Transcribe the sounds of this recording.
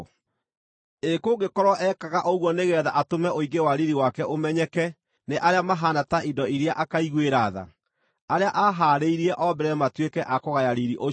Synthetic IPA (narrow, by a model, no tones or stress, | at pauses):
ekoɡekɔɾɔʔɛkaɣaʔoɣwɔneɣɛðaʔatomɛʔoiɡewaɾiɾiwakɛʔomɛɲɛkɛ | neʔaɾeamaɦanataʔidɔiɾejaʔakaiɣweɾaða̰ | aɾeaʔaɦaɾeiɾiɛʔɔbɛɾɛmatwekɛʔakoɣajaɾiɾiʔo